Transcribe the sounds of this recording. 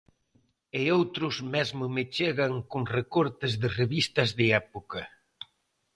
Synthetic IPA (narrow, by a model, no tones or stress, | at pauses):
ɪowt̪ɾʊzmɛzmʊmɪt͡ʃeɣɐŋkoŋrekɔɾt̪ɪzðɪreβist̪ɐzðɪɛpokɐ